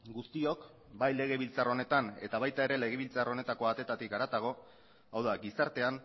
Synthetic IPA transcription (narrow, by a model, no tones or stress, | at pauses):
ɡust̪io̞k | bajle̞ɣe̞β̞ilt͡saro̞ne̞t̪ane̞̰t̪aβajt̪ae̞ɾe̞le̞ɣe̞β̞ilt͡saro̞ne̞t̪akoat̪et̪at̪ikaɾat̪aɣ̞o̞ | awðaɡisaɾt̪e̞an